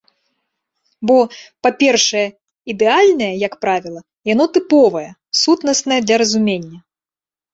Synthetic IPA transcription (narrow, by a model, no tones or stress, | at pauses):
bɔpapʲɛrʂɐjɛ | id̪ɛalʲnɐjɐjɐkpɾavʲilˠɐ | janɔt̪ɨpɔvɐjɛ | sut̪nɐsnɐjɛd̪lʲɐɾɐzumʲenʲːɐ